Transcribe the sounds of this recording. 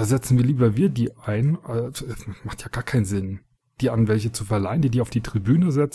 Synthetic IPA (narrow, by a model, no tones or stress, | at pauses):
d̥aːzɛt͡sn̩viːɐliːbɐviːɐdiːʔaɪnɛɛsmaχtjaːɡ̥aːɐkʰaɪnzɪn | d̥iːa̰nvɛlçət͡sufɛɐlaɪəndiːdiːaʊfd̥iːtʁ̥ibyːnəzɛt͡s